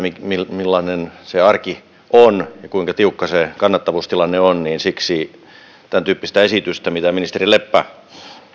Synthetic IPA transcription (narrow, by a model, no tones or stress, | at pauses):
mimilmilːɑnenseɑrki | ʔonjɑkuiŋkɑt̪iukːɑsekɑnːɑt̪ːɑʋuːst̪ilɑnːeonniːnsiksiː | t̪ænt̪yːpːist̪æesit̪yst̪æmit̪æminist̪erilepːæ